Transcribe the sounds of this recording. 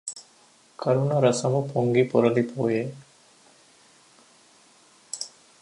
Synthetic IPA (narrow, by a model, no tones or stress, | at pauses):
kʰɐɾunɐɾɐsɐmupʰoŋɡipoɾɐlipʰoːje